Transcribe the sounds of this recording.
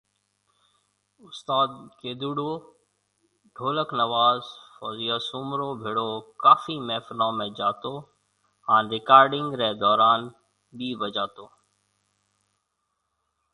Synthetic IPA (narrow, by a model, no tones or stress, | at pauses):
ʊst̪aːd̪̚keːd̪uɽo | ɖʱoːləknɐʋaːzfɔːzijasʊmɾobʱɪɽokaːfimɛːfnãːmẽd͡ʒaːt̪o | ãːnɾɪkaːɾɖɪ̃ŋɡɾɛːd̪ɔːɾaːn | biːbəd͡ʒaːt̪oː